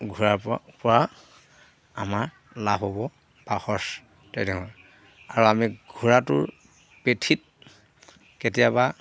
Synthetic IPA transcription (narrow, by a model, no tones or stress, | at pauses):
ɡʱuɹapɔɹa | amaɹ | labobɔ | paxɔs | tɛdɛɦɔj | aɹuamiɡʱuɹatʊɹ | petʰit̚ | ketijaba